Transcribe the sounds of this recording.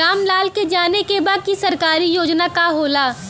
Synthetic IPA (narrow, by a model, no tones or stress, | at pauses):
aːmlaːlked͡ʒaːnekebaɡ̪̚kisɐɾkaːɾijoːd͡ʒnakaɦoːla